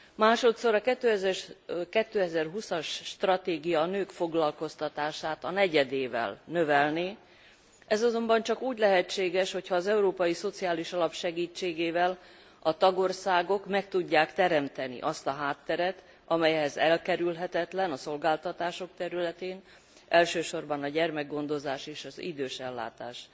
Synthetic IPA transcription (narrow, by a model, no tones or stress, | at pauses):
maːʃo̞t̪so̞ɾɒkɛt̪ːøːɛzɛrkɛt̪ːøːɛzɛrɦusɒʃːt̪rɒt̪eːɡijɒnøːkfo̞ɡlɒlko̞st̪ɒt̪aːʃaːt̪ɒnɛɟɛd̪eːvɛ̰lnøvɛlneː | ʔɛzɒzo̞mbɒnt͡ʃɒkuːɟlɛɦɛt͡ʃːeːɡɛʃho̞cʰhɒːzɛuɾoːpɒjiso̞t̪sijaːliʃɒlɒpʃɛɡiːt͡ʃːeːɡeːvɛl | ɒt̪ɒɡo̞rsaːɡo̞kmɛk̚t̪uɟːaːkt̪ɛɾɛmt̪ɛnḭʔɒst̪ɒɦaːt̪ːɛɾɛt̪ | ɒmɛjɦɛzɛlkɛɾylɦɛt̪ɛt̪lɛnɒso̞lɡaːlt̪ɒt̪aːʃo̞kt̪ɛɾylɛt̪eːn | ɛlʃøːʃo̞rbɒnɒɟɛrmɛɡɡo̞nd̪o̞zaːʃeːʃɒzḭd̪øːʃɛlːa̰ːt̪a̰ːʃ